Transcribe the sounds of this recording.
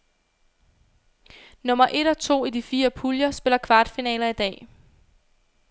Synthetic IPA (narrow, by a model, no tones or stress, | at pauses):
nɔ̽mɐʔe̝ɾ̥ɒ̽t͡sʰo̝̰ːid̥ifiːɐpʰuljɐsb̥e̝lɐkʰʋɑ̈ːd̥finɛ̰ːlɐid̥ɛ̰ː